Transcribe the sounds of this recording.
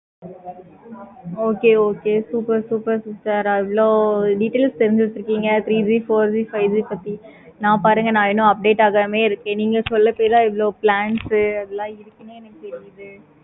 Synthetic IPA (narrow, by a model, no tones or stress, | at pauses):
oːkeːoːkeːsuːpɐɾsuːpɐɾssaːɾɪʋɪɭoːɖiʈeːlst̪ɛɾɯnd͡ʒɪt̪ːɪɾɯkːiːŋɡɐt̪ɾiːd͡ʒiːfoːɾd͡ʒifɐɪʋd͡ʒiːpɐt̪ːi | nãːpaːɾɯŋɡɐnãːɪnõːɐp̚ɖeːʈaːɣɐmeːɪɾɯkːẽːniːŋɡɐsɔlːɐpeːɾlãːɪʋɭoːplaːɳsɯɐðɛlːãːɪɾɯkːɐneːnisɛɾɪjɐðɯ